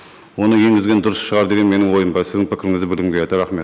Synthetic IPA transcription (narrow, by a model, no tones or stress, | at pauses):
wo̞nəje̞ŋɡʲɪzɡʲe̞nd̪ʊɾəsʃəʁɑɾd̪e̞ɡʲe̞nme̞nɪŋwo̞jəmbɑsɪzd̪ɪŋpʰɪkʲɪɾɪŋɪzd̪ɪbɪɾɪmɡʲeed̪ɪɾæχme̞t̪